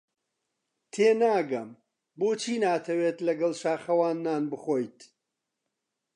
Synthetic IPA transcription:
t̪ʰeːnaːɡɐm | boːt͡ʃʰiːnaːt̪ʰɐweːt̪lɐɡɐlˠʃaːχɐwaːnːaːnbɨχoːjt̪

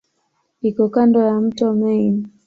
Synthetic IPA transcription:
ikɔkandɔjam̩tɔmɛin

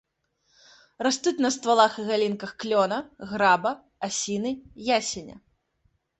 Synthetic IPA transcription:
rast̪ut͡sʲnɐst̪valˠaxɨɣalʲinkɐxklʲɔnɐɣɾabɐ | asʲinɨjasʲɛnʲɐ̰

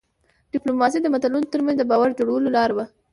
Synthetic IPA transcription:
ɖ̥ɪplomɑs̬id̪əmat̪alunot̪əɾmanzd̪əbɑwaɾd͡ʒoɽawəlolɑɾaba

